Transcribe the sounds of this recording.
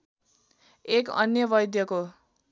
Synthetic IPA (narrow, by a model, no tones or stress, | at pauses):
ekʌ̰njʌbʌjd̪ʱjʌko